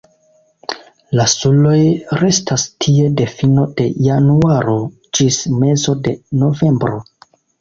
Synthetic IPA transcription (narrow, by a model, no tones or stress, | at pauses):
lasulo̞jɾe̞stʰastʰie̞de̞fino̞de̞januaɾo̞ | d͡ʒisme̞zo̞de̞no̞ve̞mbɾo̞